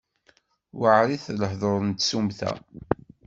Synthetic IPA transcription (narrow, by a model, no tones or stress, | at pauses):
wəʕɾiθləħðˤoɾˤnt̪sumθæ̰